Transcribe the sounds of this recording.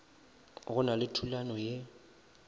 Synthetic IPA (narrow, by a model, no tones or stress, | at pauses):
ɣʊnalɪtʰulanɔje